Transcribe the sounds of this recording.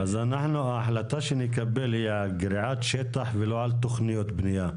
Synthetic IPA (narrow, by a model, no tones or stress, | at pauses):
azanaħnuaːħlat̪aʃenekabe̞lhia | ɡɾiʕat̪ʃet̪aħveloʕalt̪oχnijo̞t̪bnija